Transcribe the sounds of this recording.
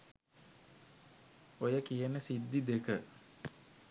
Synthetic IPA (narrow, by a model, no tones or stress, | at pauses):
ojəkijənəsid̪ːid̪ekə